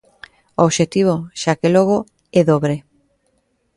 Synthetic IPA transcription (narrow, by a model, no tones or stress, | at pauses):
oːβʃet̪iβ̞oʃakeloɣ̞o | ɛðoβɾe